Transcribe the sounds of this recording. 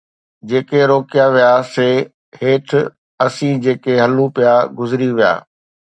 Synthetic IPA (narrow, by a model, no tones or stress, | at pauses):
d͡ʑeːkeɾoːkijaʋijaseː | heːʈʰ | ɐsĩːd͡ʑeːkeɦɐlũpijaɡʊzɪɾiʋija̰ː